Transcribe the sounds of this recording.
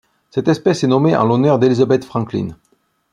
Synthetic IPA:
sɛt̪ɛspɛsɛnɔmeʔɑ̰̃lɔnœʁd̪elizabɛt̪fχɑ̃klḭn

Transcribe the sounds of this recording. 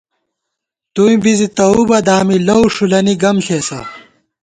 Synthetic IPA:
t̪uĩbizit̪ɐubɐd̪aːmilɐwʂulɐniɡɐmɬeːsɐ̰

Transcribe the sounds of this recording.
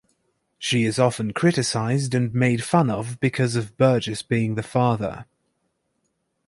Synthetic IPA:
ʃiɪzɒfə̃nkʰɹ̥ɪtɪsaɪzdə̃nmeɪd̥fʌ̃nəvbɪkʰɒzəvbɜːˑd͡ʒɪsb̥iːɪ̃ŋðəfɑːðə̰

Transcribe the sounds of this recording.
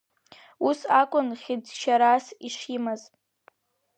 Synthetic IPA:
usakʷʼʊnχʲɪd͡zʃaɾasiʂimaz

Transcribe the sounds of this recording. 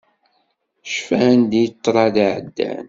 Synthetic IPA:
ʃfænd̪ijət̪ˤːɾˤɑðʕəd̪ːæ̰n

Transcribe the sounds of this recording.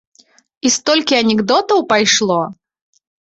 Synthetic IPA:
ist̪ɔlʲkʲɪɐnʲɪɡd̪ɔt̪ɐwpɐjʂlˠɔ

